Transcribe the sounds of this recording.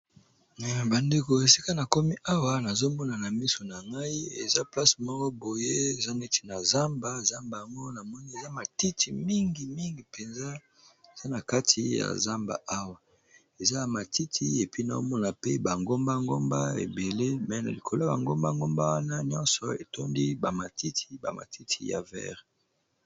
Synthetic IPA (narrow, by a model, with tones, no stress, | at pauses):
ba˨nde˨ko˨e˨si˦ka˦na˨ko˦mi˦ʔa˦wa˨na˨zo˦mɔ˦na˨na˨mi˦so˨na˨ŋɡa˦i˦ḛ˨za˦pla˦smɔ˦ɡɔ˦bo˨je˦e˨za˦ne˦te̥˨na˨za˦mba˦e˨za˦mba˨a˨ŋɡo˦na˨mɔ˦ni˦e˨za˦ma˨ti˦tʰi˨mi˦ŋɡi˨mi˦ŋɡi˨pʰe˨nza˦ | e˨za˦na˨ka˦tʰi˨ja̰˨za˦mba̰˨ʔa˦wa˨ | e˨za˦ja˨ma˨ti˦tʰi˦e˨pi˦na̰˨o˦mɔ˦na˨pe˦ba˨ŋɡo˦mba˦ŋɡo˦mba˦ḛ˨be˨le˦mɛ˨˦na̰˨li˨kʰo˨la˦ba̰˨ŋɡo˦mba˦ŋɡo˦mba˦wa˦na˦ɲɔ̃˦nsɔ˨e˨to˦ndi˦ba˨ma˨ti˦tʰi̥˨ba̰˨ma̰˨tʰi˦tʰḭ˨ja̰˨vɛ̰˦ʁ